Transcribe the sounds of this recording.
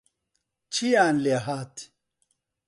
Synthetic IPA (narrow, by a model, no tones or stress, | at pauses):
t͡ɕʰijaːnleɦaːt̪ʰi̥